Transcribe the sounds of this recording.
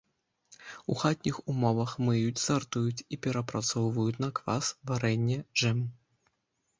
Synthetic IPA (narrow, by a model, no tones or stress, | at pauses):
uxat̪̚ʲnʲixumɔvɐxmɨjut͡sʲzart̪ujut͡sʲipʲɛɾɐpɾat̪sɔwvɐjut͡sʲnɐkva̰svaɾɛnʲːɛʐɛm